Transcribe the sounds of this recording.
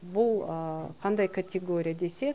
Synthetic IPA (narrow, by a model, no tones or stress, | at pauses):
bʊlˠəqʰɑnd̪ɑjkʰat̪ʲʰeɡo̞ɾʲijad̪e̞se̞